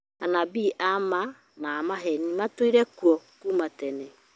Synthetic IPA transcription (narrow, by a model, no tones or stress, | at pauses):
anabiʔama | naːmaɦɛnimatwiɾɛkwɔkuːmatɛnɛ